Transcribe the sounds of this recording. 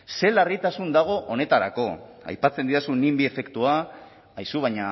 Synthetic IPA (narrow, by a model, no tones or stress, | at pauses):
se̞larit̪asund̪aɣ̞o̞ʔone̞t̪aɾa̰ko̞ | a̰jpat͡se̞nd̪iɾasunimbie̞fe̞kt̪ua | ajsuβaɲa